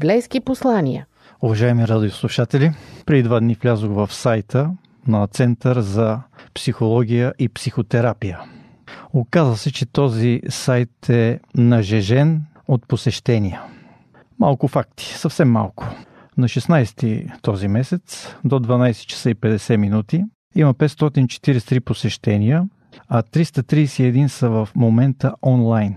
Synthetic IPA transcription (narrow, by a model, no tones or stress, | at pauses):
blɛjskiposlˠanʲijə̰ | ʊvɐʒaɛmiɾad̪ʲioslˠuʃat̪ɛlipɾɛd̪id̪vad̪niflʲazoɣvɐfsajt̪ʰə | nɐt̪sɛnt̪əɾzɐpsixolˠɔɡʲijəʔipsixot̪ɛɾapijə | okazvəsɛt͡ʃɛt̪ɔzisajt̪ʰɛnɐʒɛʒɛn | ot̪̚posɛʃt̪ɛnijə | malˠkʊfak̚t̪i̥sɐfsɛmːa̰lˠkʊ̥ | nɐʃɛsnajsɛt̪ḭt̪ɔzimɛsɛt̪sd̪od̪vɐnajsɛ̥t͡ʃə̥səipɛd̪ɛsɛminut̪i | iməpɛt̪st̪ɔt̪int͡ʃɛ̥t̪iɾɛst̪ɾiposɛʃt̪ɛnijə | ɐt̪ɾist̪ət̪ɾiːsɛɛd̪insəvəfmomɛnt̪əʔɔnlˠajn